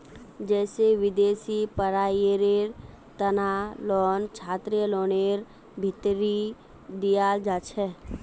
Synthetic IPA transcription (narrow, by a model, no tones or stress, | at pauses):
d͡ʒɛːseʋɪd̪eːsipəɾaːjeɾeɾ | t̪ənalɔːnt͡ʃʰaːt̪ɾijəlɔːneːɾ | bʱɪt̪ɾi | d̪ijaːld͡ʒaːt͡ʃʰɛː